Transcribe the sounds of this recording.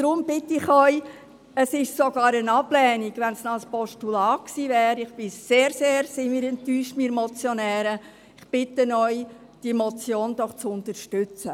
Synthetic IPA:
d̥ɾʊmbɪt̪ɪχœʏ | əsɪʃsoɡɑːɾənɑblɛːniɡ̥ʋɛnsnɔspɔʃtulɑːksiːvɛːɾɪχb̥ɪseːɾseːɾsɪmiːɾɛntːyːʃtmiːɾmɔt͡sjɔnɛːɾə | ɪχb̥ɪtənœʏ | d̥imɔt͡sjoːnd̥̪ɔχt͡sʊnt̪əɾʃtʏt͡sə

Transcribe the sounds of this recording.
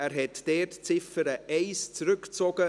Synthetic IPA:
æːɾɦɛtd̥ɛːtt͡sɪfəɾəʔɛɪst͡sɾʏkt͡sɔɡ̥ə

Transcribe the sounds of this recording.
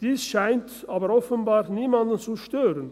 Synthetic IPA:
d̥iːsʃaɪntaːbəɾɔfənbaːʁniːmandən̩t͡suʃtøːʁən

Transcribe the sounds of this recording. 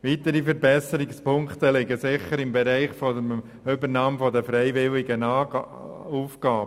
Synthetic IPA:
ʋit̪əɾifəɾbɛsəɾɪkspʊŋkt̪əlɪɡəsɪχəɾɪmbɛɾæɪχfɔəm | ʏbəɾnɑːmfɔd̪əfɾɛɪʋɪlɪɡənɑː | uːfɡ̥ɑːb

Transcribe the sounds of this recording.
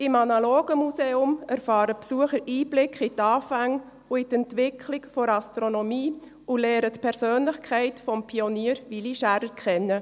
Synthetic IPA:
ɪmɑnɑloːɡ̥əmuseːʊmæɾfɑːɾəpsuəχəɾiːblɪkχit̪ɑːfæŋ | uitɛntʋɪkʰlɪkfɔɾɑst̪ɾonɔmiː | ʊlɛːɾətpʰɛɾsøːnlɪχkʰɛɪtfɔmpʰioniːəɾʋiliʃæɾəkʰχɛnːə

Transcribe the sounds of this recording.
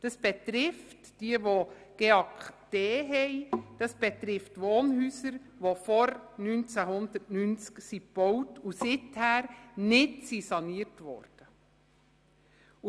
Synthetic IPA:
d̥ɑsb̥ɛt̪ɾɪftd̥iəʋoɡ̥eːɑkd̥eːɦɛɪd̥ɑsb̥ɛt̪ɾɪftʋoːnɦyːsəɾ | ʋofɔɾnynt͡sæɦʊnd̪ətnynt͡sksipb̥ɔwtusɪthæːɾnɪtsisɑniːəɾtʋɔ̰ɾd̥ə

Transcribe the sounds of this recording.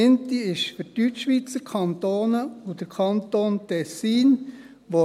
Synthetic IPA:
ɪnt̪iɪʃfyɾtyt͡ʃːʋit͡səkʰɑnt̪oːnəud̥̪əɾkʰɑnt̪oːntɛsːiːn | ʋo

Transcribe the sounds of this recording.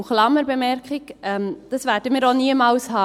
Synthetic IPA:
χlɑməɾbemɛɾkχɪɡɛmd̥ɑsʋæːɾdəmiːɾoniəmɑːlshɑː

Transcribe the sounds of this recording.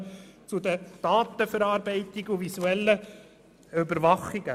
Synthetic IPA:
t͡sʊd̪əd̥ɑːt̪əfəɾɑːɾbɛɪt̪ɪɡuʋisuɛlːə | ʏbəɾʋɑχɪɡ̥ə

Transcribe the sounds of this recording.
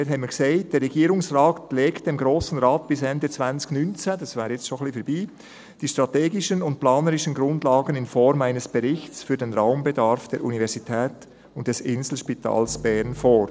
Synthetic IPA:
thɛməkseːd̥ɛːɾːɛɡiːɾʊŋsʁaːtleːktd̥emɡɾoːsn̩ʁaːt̚b̥ɪsɛndət͡svant͡sɪ̥çnynt͡səd̥ɑsvɛːɾəjɛt͡stʃonχliːfɛɾbiː | d̥iːʃtʁateːɡɪʃənʊnt̚plaːnəɾɪʃənɡɾʊndlaːɡənɪnfɔɾmaɪnəsb̥ɛɾɪçt͡sfyːɐdenʁaʊmbedaɾfd̥ɛːɾʔṵnivɛɾzitʰɛːt | ʊnt̚d̥ɛsɪnzl̩ʃpitʰa̰ːlsb̥ɛɾnfoːɾ

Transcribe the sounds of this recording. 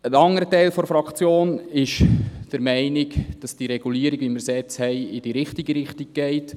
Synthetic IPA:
ənɑŋəɾətɛɪlfɔɾfɾɑkt͡sjoːnɪʃd̥əɾmɛɪnɪɡd̥ɑsd̥iɾɛɡ̥uliəɾiɡʋiməɾsɛt͡shɛɪɪd̥iɾɪχtiɡəɾɪχtiɡ̚ɡ̥ɛɪt

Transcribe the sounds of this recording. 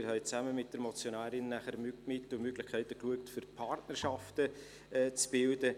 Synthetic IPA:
ɾhɛɪt͡sæməmɪt̚d̥əɾmɔt͡sjonæːɾɪnːæχəɾmykmɪtːʊmøɡlɪχkʰæɪtəkluək̚tfyɾpʰɑrtnərʃɑftə | t͡sb̥ɪldə

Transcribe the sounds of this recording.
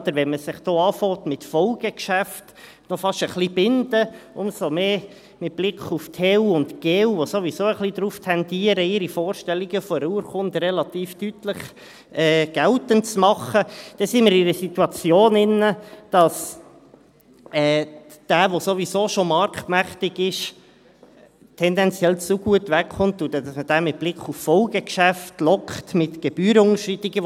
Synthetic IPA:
d̪̥əɾʋɛnməsɪχd̥oːɑːfɔːtmɪtfɔlɡ̥əkʃæft | nɔfɑʃəχlib̥ɪnd̥̪əʊmsomeː | mɪt̚b̥lɪkʰχuftʰewʊntɡ̥eːwʋosoʋisoːəχlid̪ɾuːftʰɛnd̥iːəɾəɪɾifoːɾʃtɛlːiɡəfɔɾuəɾχʊnd̪rɛlɑtiːftytləχ | ɛːɡ̥ɛltəntt͡smɑχəd̥ɛsɪnməɾɪɾəsit̪uɑt͡sjoːnɪnəd̥ɑs | ɛː | d̪̥æːʋosoʋisoːʃomɑɾktmæχt̪ɪɡɪʃ | tʰɛnd̪ɛnt͡sjɛlt͡suɡ̥uətʋɛkχʊnt̪ːʊdɛd̪ɑsməd̥æːmɪt̚b̥lɪkχuffɔlɡəkʃæftlɔkχtmɪt̪ɡ̥ɛb̥yːɾʊŋəʃritiɡə

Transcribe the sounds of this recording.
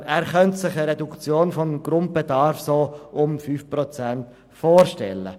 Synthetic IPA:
æːɾχœntsɪχəɾɛdukt͡sjoːnfɔnɡ̥ɾʊnt̚b̥edɑɾfsoːʊmfyːfprɔt͡sænt | foːɾʃtɛ̰lːə̰

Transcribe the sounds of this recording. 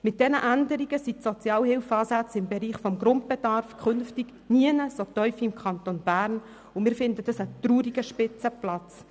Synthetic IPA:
mɪt̚d̥ɛnəʔændəɾiɡəsitsot͡sjɑːlhɪlfɑːsæt͡sɪmbɛɾiːχfɔmɡɾʊnt̚bedɑrfkʰχʏnftiɡ | niənəsot̪œʏfiɪmkʰɑnt̪onb̥æːɾn | ʊmɪːɾfɪndəd̥ɑsət̪ruːɾiɡəʃpɪt͡səplɑt͡s

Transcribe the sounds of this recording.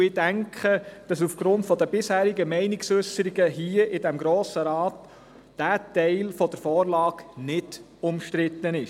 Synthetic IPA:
ɪdæŋkʰχəd̥ɑsufɡ̥ɾʊntfɔd̪əbɪshæːɾiɡəmɛɪnɪksʏsəɾiɡəɦiːəʔɪdɛmɡɾoːsəɾɑːt̪ | d̥æːtɛɪlfɔd̥̪əɾfɔːɾlɑːɡnɪd̥ | ʊmʃtɾɪt̪ːənɪʃ

